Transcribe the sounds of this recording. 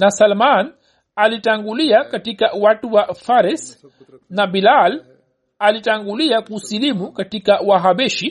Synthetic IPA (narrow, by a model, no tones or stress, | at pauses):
nasalman | alitaŋɡuliakatikawatuwafaɾɛs | nabilal | alitaŋɡuliakusilimukatikawaɦaɓɛʃi